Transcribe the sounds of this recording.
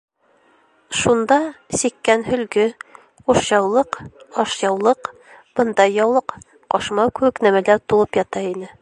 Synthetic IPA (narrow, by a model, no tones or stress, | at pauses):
ʃund̪ɑsikːænɦɵ̆lɡɘ | quʃjɑwlˠɤqɒʃjɑwlˠɤq | b̥ɤ̆nd̪ɑjːɑwlˠɤq | qɑʃmɑkʉɘknæmælæɾt̪ulˠɤpjɑt̪ɑinɘ